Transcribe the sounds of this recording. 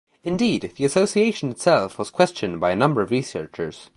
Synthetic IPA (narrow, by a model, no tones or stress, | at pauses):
ɨ̃ndid̪ðiɨsoʊsieɪʃə̃nɨtsɛlˠfwʌz̥kʰw̥ɛst͡ʃɨ̃nbaɪɨnʌ̃mbə˞ʌvɹisɜ˞t͡ʃə˞z̥